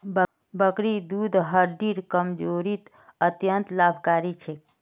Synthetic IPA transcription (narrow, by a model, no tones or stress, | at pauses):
b | bəkɾid̪ud̪ʱɦəɾɖiɾkəmd͡ʒoɾit̪ | ət̪jənt̪labʱkaɾit͡ʃʰɛ